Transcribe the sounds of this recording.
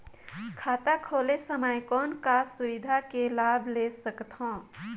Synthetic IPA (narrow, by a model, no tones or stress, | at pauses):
kʰat̪akʰolesəmajkɔnkasuʋid̪ʱakelabʱlesəkt̪ɦɔ̃